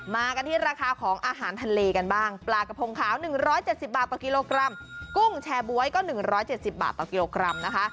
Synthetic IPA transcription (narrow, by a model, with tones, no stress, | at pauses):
maː˧ka˧nt̪ʰiː˥˩ɾaː˧kʰaː˧kʰɔː˩˦ŋʔaː˧ɦaː˩˦nt̪ʰa˧nleː˧ka˧nbaː˥˩ŋplaː˨˩ka˧pʰo˧ŋkʰaː˩˦wnɯ˨˩ŋɾɔː˦˥jt͡ɕe˨˩t̪̚si˨˩p̚baː˨˩t̪ːɔː˨˩ki˧loː˧kɾa˧mku˥˩ŋt͡ɕʰɛː˧bu˧˩˦əjkɔː˥˩nɯ˨˩ŋɾɔː˦˥jt͡ɕe˨˩t̪̚si˨˩p̚ba̰ː˨˩t̪ːɔː˨˩ki˧loː˧kɾa˧mna˦˥kʰa˦˥ʔ